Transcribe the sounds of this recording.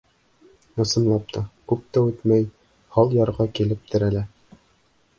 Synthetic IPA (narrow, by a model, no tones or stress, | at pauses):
ɤ̆sɤ̆mlˠɑp̚t̪ʰɑkʉp̚t̪æʉt̪mæj | hɑlˠjɑɾʁɑkilɘp̚t̪ʰɘɾælæ